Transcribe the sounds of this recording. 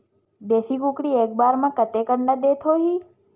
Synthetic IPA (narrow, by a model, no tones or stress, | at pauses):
d̪esikũkɽiek̚baɾmãkət̪ekəɳɖãd̪et̪ʰoɦi